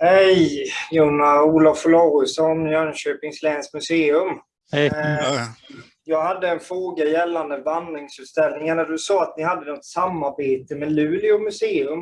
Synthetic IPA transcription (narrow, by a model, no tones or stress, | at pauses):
hɛjjuːnauːlavfɔlɑːɾʉsɔnjæːnɕøːpɪŋslɛːnskmɵseːɵm | jɑːɡhad̪ːəɛnfɾoːɡajɛlːand̪əvand̪ɾɪŋsʉt̪st̪ɛlnɪŋaɳad̪ɵsɔːat̪nɪhad̪ːənɔt̪samːaɾbeːt̪əmɛlʉ̟ːlɪʊmɵseːɵm